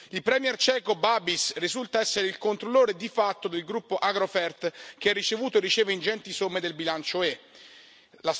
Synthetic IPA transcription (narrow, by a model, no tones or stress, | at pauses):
ilpɾɛmjɛrt͡ʃɛːkobabisrizult̪aɛsːeɾeilkont̪ɾolːoːɾed̪ifat̪ːod̪elɡɾupːoʔaɡɾofɛrt̪k̟eɛrːit͡ʃevuːt̪oerːit͡ʃeːveind͡ʒɛnt̪isomːed̪elbilant͡ʃoe | las